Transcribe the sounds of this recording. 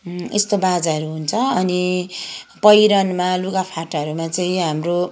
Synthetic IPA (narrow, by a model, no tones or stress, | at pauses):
est̪obad͡zaʌɾuɦunt͡sʰʌʌni | pʌjɾʌnmaluɡapʰaʈʌɾumat͡saĩɦamro